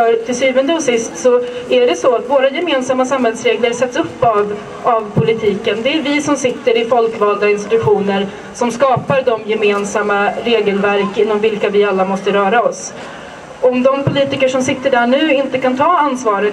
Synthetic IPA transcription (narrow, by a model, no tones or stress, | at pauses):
œɾʈ̪ʰɪlsyːvənd̪əɔsɪst̪sɔæɖɛsɔat̪voːɾajɛmeːnsamːasamhɛlsɾeːɡləɾsɛt̪sɵpːav | avpʰʊlɪt̪ʰiːkənd̪ɛːɾvɪsɔmsɪt̪ːəɾɪfɔlkvɑːld̪aɪnst̪ɪ̥t̪ɵɧuːnəɾ | sɔmskɑːpaɾɖ̪ɔmjɛmeːnsamːaɾeːɡəlvæɾkɪnːɔmvɪlkavɪalːamɔst̪əɾœːɾaɔs | ɔmd̪ɔmpʰʊliːt̪ɪkəʂɔmsɪt̪ːəɖæɳʉ̟ːɪnt̪əkant̪ʰɑːansvɑːɾə